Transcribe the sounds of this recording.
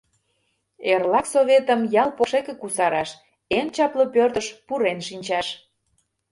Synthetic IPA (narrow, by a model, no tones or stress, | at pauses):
erlɑksoβet̪əmjɑlˠpoʃekĕkusɑɾɑʃ | ent͡ɕɑplopørt̪əʃpuɾenʃinʲt͡ɕɑʃ